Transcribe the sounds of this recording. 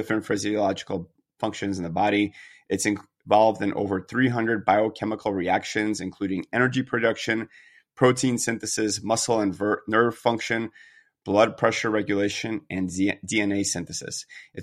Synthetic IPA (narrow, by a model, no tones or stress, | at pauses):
ɪfɹɨ̃ntfɪziɨlɑd͡ʒɨkl̩ˠ | fʌ̃ŋkʃɨ̃nzn̩ðəbɑɾiʔɨtsɨ̃n | vɑlˠvdɨ̃nʔo̰ʊvə˞θɹiɦʌ̃ndɹɨd̚baɪoʊkʰɛməkʰl̩ˠɹiækʃɨ̃nzɨ̃nkʰl̥ʉɾɪ̃ŋɛnə˞d͡ʒipʰɹ̥ɨdʌkʃɨ̃n | pʰɹ̥oʊtʰĩnsɪ̃nθɨsɪsmʌsl̩ˠə̃nvə˞nɜ˞v̥fʌ̃ŋkʃɨ̃n | b̥lʌd̚pʰɹ̥ɛʃə˞ɹɛɡjɨleɪʃɨ̃nʔɨ̃ndiɛ̃neɪsɪ̃nθɨsɨ̰sʔɨ